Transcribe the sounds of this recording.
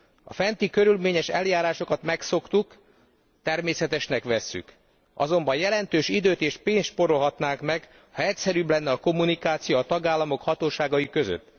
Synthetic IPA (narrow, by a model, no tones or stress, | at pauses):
ɒ̰fɛnt̪ikø̞ɾylmeːɲɛʃɛ̰ljaːɾaːʃokɒt̪mɛkso̞kt̪uk | t̪ɛrmeːsɛt̪ɛʃnɛkʋɛsːy̰k | ɒ̰zo̞mbɒjjɛlɛnt̪øːʃid̪øːt̪eːʃpeːnsʃpo̞ɾo̞lɦɒt̪naːŋkmɛɡ | hɒɛcsɛɾyːblɛnːɛɒko̞mːunikaːt̪sijoːt̪ɒɡaːlːɒmo̞khɒt̪oːʃaːɡɒjikø̞zø̰t̪ː